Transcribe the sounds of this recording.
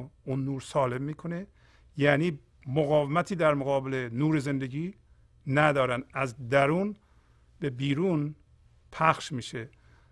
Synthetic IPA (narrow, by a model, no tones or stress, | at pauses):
unːuːɾsɒːle̞mːiːkʰone | jæːniː | moɣɒːvemæt̪ʰiːd̪æɾmoɣɒːbele̞nuːɾeze̞nd̪eɡiː | næd̪ɒːɾænd̪æzd̪æɾuːn | be̞biːɾuːn | pʰæxʃmiːʃe